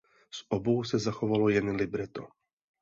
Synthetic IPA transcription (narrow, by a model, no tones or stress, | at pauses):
sʔobo̞wsɛzaxovalojɛnlɪbɾɛt̪o̰